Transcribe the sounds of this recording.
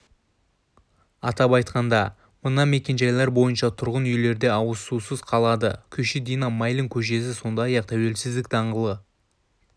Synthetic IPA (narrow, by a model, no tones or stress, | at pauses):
ɑt̪ɑpɑjt̪qɑnd̪ɑ | mʊnɑme̞kʲe̞nʒɑjlˠɑɾbo̞jənʃɑt̪ʰʊɾʁənʏjle̞ɾd̪e̞ɑwəsusəzqʰɑlˠɑd̪əkʲʰʏʃɪd̪ijnɑmɑjlʲˠɪŋkʲʰɵʃe̞sɪso̞nd̪ɑjjɑq̚t̪ʰæwe̞lsɪzd̪ɪk̚d̪ɑɴʁəlˠə